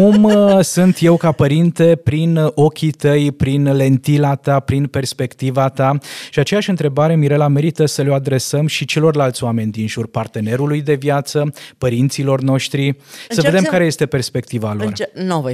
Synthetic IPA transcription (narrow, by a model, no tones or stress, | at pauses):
umsunt̪je̞wkapəɾint̪e̞pɾino̞kʲit̪əjpɾinle̞nt̪ilat̪apɾinpe̞rspe̞kt̪ivat̪aʃiat͡ʃe̞jaʃʲɨnt̪ɾe̞baɾe̞miɾe̞lame̞ɾit̪əsəload̪ɾe̞səmʃit͡ʃe̞lo̞rlalt̪sʲoame̞nʲd̪inʒurpart̪e̞ne̞ɾulujd̪e̞vjat̪səpəɾint̪silo̞rno̞ʃt̪ɾisəve̞d̪emkaɾe̞je̞st̪e̞pe̞rspe̞k̚t̪ivalo̞rno